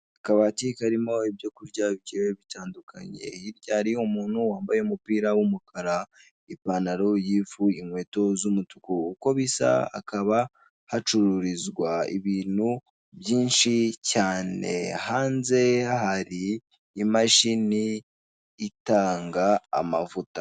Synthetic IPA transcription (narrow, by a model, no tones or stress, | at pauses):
akaβatikaɾimo̞ibjokuɾɟaβiɟeweβitʰaːndukʰa̰ɲe̞̰iɾɟaɾiumuːn̥huwaːmbajeumupiːɾawumukʰaɾa | ipanaɾojiːfuiŋwe̞ːto̞zumutu̥kuuko̞βisa̰a̰kaβa | hat͡ʃuɾuɾizɡwaḭβiːnhu | bjiːnʃicaːne̞̰haːnze̞ahaɾiː | maʃiniː | taːŋɡa̰ːmavutḁ